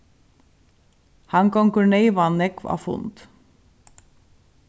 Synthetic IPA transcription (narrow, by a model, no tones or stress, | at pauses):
hɑŋkɔŋkʉɳeɪʋɑnɛkʋɑ̰ːfʊ̰nt̪